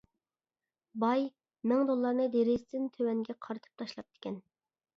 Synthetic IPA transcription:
bɑj | mɪŋd̪olˠːɑɾnɨd̪eɾɪzt̪ɪnt̪ʰøwɛŋɡʲɛqʰɑɾt̪ʰɨ̥p̚t̪ʰɑʃlˠɑp̚t̪ʰɪ̥kʲɛn

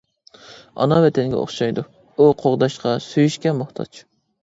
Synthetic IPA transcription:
ɑ̰nɑvɛt̪ʰɛnɡʲɛ̰o̰χʃɑjd̪u | uqʰoʁd̪ɑʃqʰɑsyjyʃkʲɛmʊχt̪ʰɑ̰t͡ʃ

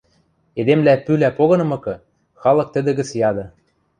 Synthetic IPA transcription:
ed̪emlæpylæpoɣɤ̆nɤ̆mɤ̆kɤ̆ | xɑlɤ̆k̚t̪ə̆d̪ə̆ɣə̆t͡sjɑd̪ɤ̆

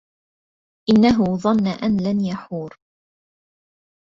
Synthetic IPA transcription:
ʔɪnːaɦʊðˤɑnːaʔanlanjaħuːɾ

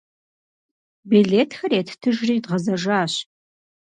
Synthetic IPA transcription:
biɮeːtʰxɐreːtʰtʰɨʒriːdʁɐzɐʒaːɕ

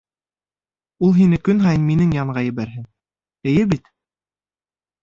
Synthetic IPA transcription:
ulˠɦinɘkɵnɦɑjɤnminɘŋjɑɴɢɑjɘ̆βæɾɦɘŋ | ɘ̆jɘbit̪

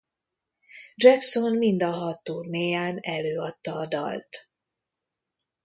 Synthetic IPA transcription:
d͡ʒɛkso̞nmind̪ɒɦɒt̪ːoːmeːjaːnɛløːɒt̪ːɒːd̪ɒ̰lt̪

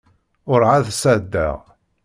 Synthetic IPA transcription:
ʊɾʕaðsæd̪ːæ̰ʁ

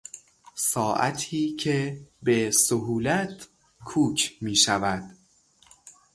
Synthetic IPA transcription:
sɒːʔæ̰t̪ʰiːcʰebesoɦuːlæt̪ | kʰuːkʰmiːʃævæd̪̥

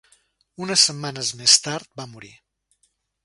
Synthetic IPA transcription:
unəsəmːanəzmest̪aɾt̪̚bamuɾḭ

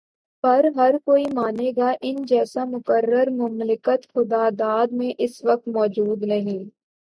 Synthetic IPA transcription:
pɐɾɦɐɾkoːimaːneɡaʔɪnd͡ʒɛːsamʊkəɾːəɾmʊmlɪkət̪xʊd̪aːd̪aːd̪mẽʔɪsʋɐk̚t̪mɔːd͡ʒuːd̪nɐɦĩː

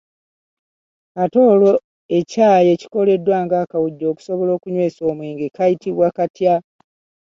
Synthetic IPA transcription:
ato̞ːlo̞ | e̞caːje̞ci̥ko̞le̞dːwaːŋɡaːkawuɟːo̞ːku̥so̞βo̞lo̞ːkuɲwe̞ːso̞ːmwiːŋɡekajitiβwakatja

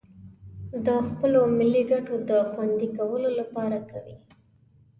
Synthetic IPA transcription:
d̪əxpəlomɪlːiɡaʈod̪əxwand̪ikawəlolapɑɾakawi

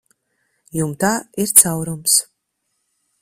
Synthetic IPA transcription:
jumt̪aːiɾt̪sawɾums

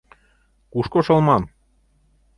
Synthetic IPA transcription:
kuʃkoʃɤ̆lˠmɑn

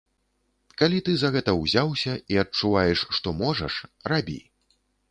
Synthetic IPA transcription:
kalʲit̪ɨzɐɣɛt̪ɐwzʲawsʲɐiɐt͡ʂːuvajɛʂʂt̪ɔmɔʐɐ̰ʂrabʲḭ

